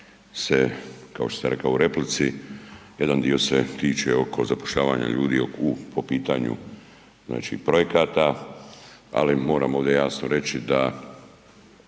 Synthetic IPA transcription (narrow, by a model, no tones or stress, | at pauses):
sekao̞ʃt̪osaɾe̞kauɾe̞plit̪sije̞d̪and̪io̞set̪iːt͡ʃeo̞kʰo̞zapoʃʎaːʋaːɲa̰ʎuːd̪ḭoupo̞piːt̪aɲṵ | zna̰ːt͡ʃipɾo̞je̞kaːt̪a | a̰limo̞ːɾaːmoʋd̪je̞jaːsnoɾe̞t͡ʃid̪a